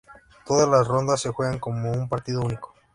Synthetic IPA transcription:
t̪o̞ðazlasro̞nd̪asːe̞xweɣaŋko̞moumpaɾt̪iðo̞uniko̥

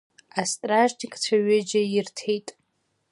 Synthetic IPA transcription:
astʼraʒtʰikʼt͡sʷʰaɥɪd͡ʒajɪrtʰejtʼ

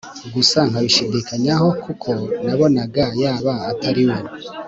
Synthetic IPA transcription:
ɡusaŋhaβiʃedekaɲaɦo̞kukʰo̞naβo̞naɡajaːβaːtʰaɾiwe

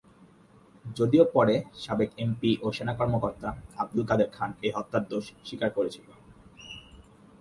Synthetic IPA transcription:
d͡ʑod̪iopɔɾeʃabekempiʔoʃenakɔɾmokoɾt̪aab̚d̪ulkad̪eɾkʰaneɦɔt̪ːaɾd̪oʃʃikaɾkoɾet͡ɕʰilo

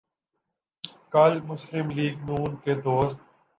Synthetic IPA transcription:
kɐlmʊsɾɪmliːɡnuːnked̪oːst̪̚

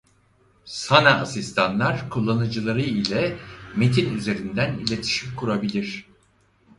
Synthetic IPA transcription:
sanaːsist̪ʰanlˠaɾkʰulˠːanɯd͡ʒɯlˠaɾɯilʲɛme̞t̪ʰinyze̞ɾind̪ænilʲe̞t̪ʰi̥ʃimkʰuɾabilʲiɾ̝̥

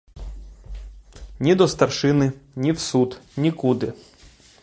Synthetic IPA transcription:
nʲid̪ɔst̪ɐrʃɪnɪnʲiwsud̪nʲikud̪ɪ

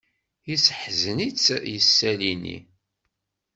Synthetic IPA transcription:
jisəħzənit͡sːjəsːælinḭ

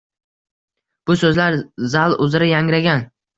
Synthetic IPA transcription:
b̥ʊsɵzlaɾzalˠʊzɾajaŋɾaɡʲan

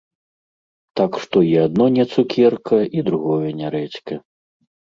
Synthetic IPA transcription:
t̪akʂt̪ɔiad̪̚nɔnʲɛt̪sukʲɛrkʰɐid̪ɾuɣɔjɐnʲaɾɛt͡ɕʲkɐ

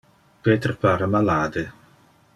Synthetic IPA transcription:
peːt̪ɾpaɾamalaːd̪e

